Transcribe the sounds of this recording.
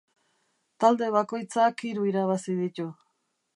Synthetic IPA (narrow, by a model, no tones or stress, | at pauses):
t̪ald̪e̞βako̞jt͡sakiɾuiɾaβasið̞it̪u